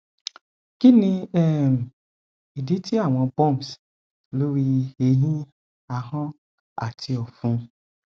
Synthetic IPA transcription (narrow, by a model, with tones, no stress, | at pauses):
ki˦nĩ˧ɛ˦˨m˨ | i˨di˨˦ti˦a˦˨w̃ɔ̃˧bɔ̃˦˨ms | lo˦ɾi˧e˧jĩ˦ | a˧˨ɦɔ̃˦ | a̰˦˨tʰi˧ɔ˨fũ˧˦